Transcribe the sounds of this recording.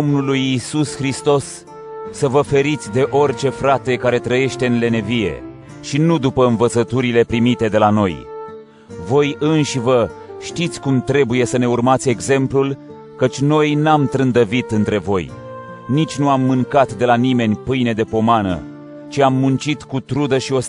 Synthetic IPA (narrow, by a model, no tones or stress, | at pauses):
omnulujisusxɾist̪o̞sː | əvəfe̞ɾit̪sʲd̪e̞ʔo̞rt͡ʃe̞fɾat̪e̞kaɾe̞t̪ɾəje̞ʃt̪e̞ɨnle̞ne̞vije̞̰ | ʃinud̪upəɨnvət̪sət̪uɾile̞pɾimit̪e̞d̪e̞lano̞j | vo̞jɨnʃivə | ʃt̪it̪sʲkumt̪ɾe̞buje̞səne̞urmat̪sʲe̞ɡze̞mplul | kət͡ʃʲno̞jnamt̪ɾɨnd̪əvit̪ɨnt̪ɾe̞vo̞j | nit͡ʃʲnuamːɨŋkat̪d̪e̞lanime̞nʲpɨjne̞d̪e̞po̞manə̰ | t͡ʃiamːunt͡ʃit̪kut̪ɾud̪əʃio̞s